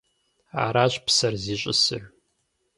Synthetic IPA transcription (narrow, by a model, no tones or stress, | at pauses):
a̰ːɾaːɕʼpsɐrziːɕʼɪ̰sɨʕᶣ